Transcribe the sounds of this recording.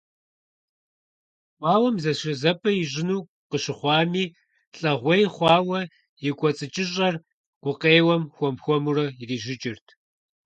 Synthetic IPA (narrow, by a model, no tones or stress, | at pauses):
wʷɑːwɐmzɐɕɨzɐpʰʼɐjɪʑɪnuː | qəɕɪχʷɑːmiː | ɬʼɐʁʷejχʷɑːwɐ | jɪkʷʼɔt͡sʼɨt͡ʃʼɪɕʼɐr | ɡ̥ʷʊqeːwɐmxʷɔmxʷɔmurɐiriːʒɪt͡ʃʼɪrtʰ